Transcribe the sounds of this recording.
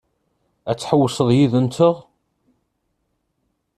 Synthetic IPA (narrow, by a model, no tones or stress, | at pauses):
æt͡sːħəwːsˤəðˤjiðənt̪ʰəʁ